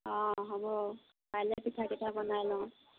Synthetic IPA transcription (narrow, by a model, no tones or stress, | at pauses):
ɔ̃ɦɔbɔ | pajlepitʰakitʰabɔnajlɔ̃